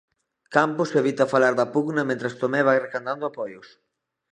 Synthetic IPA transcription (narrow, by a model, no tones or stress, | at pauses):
kampʊseβit̪ɐfalaɾðɐpuɣnɐmẽnt̪ɾɐst̪omɛβajrekand̪and̪ʊapɔjʊs